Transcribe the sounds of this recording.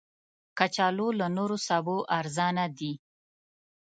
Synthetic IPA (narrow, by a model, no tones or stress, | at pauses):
kat͡ʃɑlolanoɾosɑboʔaɾzɑnad̪i